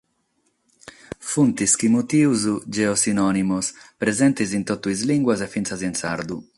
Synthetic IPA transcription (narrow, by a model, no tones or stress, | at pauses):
funt̪iskimut̪iːuzud͡ʒɛosinɔnimuspɾezɛnt̪izint̪ot̪ːuizliŋɡwazefːintsazinsa̰ɾd̪u